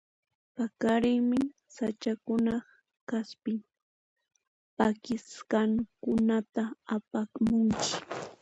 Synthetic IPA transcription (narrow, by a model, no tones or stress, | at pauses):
pakaɾɪŋmɪ | sat͡ʃakʊnɑχ | kaspɪŋ | pakɪskɑŋkʊnat̪aːpamʊŋkɪ̥